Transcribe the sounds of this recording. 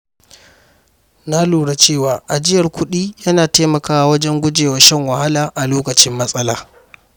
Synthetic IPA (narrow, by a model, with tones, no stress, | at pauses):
na˦luː˨ɽa˨t͡ʃeː˦˨waː˨ʔa˨d͡ʒɪ˦jɐ˨rkʷʊ˦ɗiː˦jɐ˦naː˨teː˦mɐ˨kaː˦wa˦wɐ˦d͡ʒɛ˦ŋɡʷʊ˦d͡ʒeː˨wɐ˨ʃɐ˦˨ŋwɐ˨ha˦laː˨ʔa˨loː˦kɐ˨t͡ʃɪ˦mːɐ˦sʼɐ˦laː˨